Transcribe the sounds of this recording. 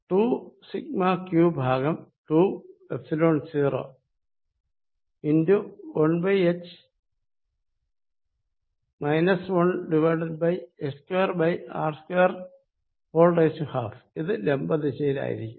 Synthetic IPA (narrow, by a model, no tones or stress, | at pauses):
ʈuːsikmaːkjuːbʱaːɡɐmʈuːepsiloːɳɖsiːro̰ː | induwɐɳbɐjet͡ɕ | mɐjnɐswɐɳɖiʋɐːʈɐɖ̚bɐjeskweːrbɐja̰ːrskweːr | foːlɖesuhaːfiðɨlembɐðiɕejila̰ːjḭɾḭkʲːum